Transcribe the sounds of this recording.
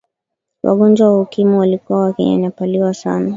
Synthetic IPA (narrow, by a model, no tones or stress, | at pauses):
wa̰ɠɔnd͡ʒwawaukimuwalikuwawakɛ̰ɲa̰ɲapaliwasa̰na